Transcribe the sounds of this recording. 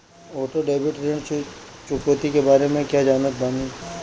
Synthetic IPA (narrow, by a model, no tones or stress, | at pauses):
oːʈoɖeːbɪʈɾẽɳɖt͡ʃ | t͡ʃʊkoːt̪ikebaːɾemẽkjaːd͡ʒaːnət̪̚baːni